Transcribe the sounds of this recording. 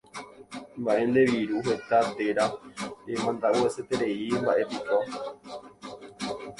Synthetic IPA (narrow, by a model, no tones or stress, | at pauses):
mbaʔẽ̞nd̪e̞ʋiɾuɦe̞t̪at̪e̞ɾaemãnd̪aʔueset̪eɾe̞imbaʔe̞piko